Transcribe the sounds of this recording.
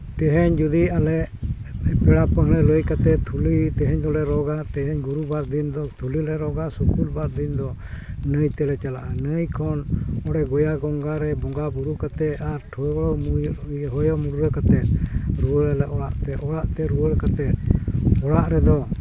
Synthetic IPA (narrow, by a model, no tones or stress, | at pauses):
t̪ɛɦɛɲd͡ʒud̪ialɛʔ | pɛɽapəɦɾɛləjkat̪ɛt̪ʰulit̪ɛɦɛɲd̪ɔlɛɾɔɡat̪ɛɦɛɲɡuɾubaɾd̪ind̪ɔt̪ʰulilɛɾɔɡasukulbaɾ̚d̪ind̪ɔ | nəjt̪ɛlɛt͡ʃala̰ʔanəjkʰɔnɔɽɛɡɔjaɡɔŋɡaɾɛbɔŋɡabuɾukat̪ɛaɾʈʰɔɡɔɽɔmujɦɔjɔmuɾuɾəkat̪ɛt̪̚ɾuwəɾɛlɛʔɔɽaʔt̪ɛʔɔɽaʔt̪ɛɾuwəɽkat̪ɛt̪̚ɔɽaʔɾɛd̪ɔ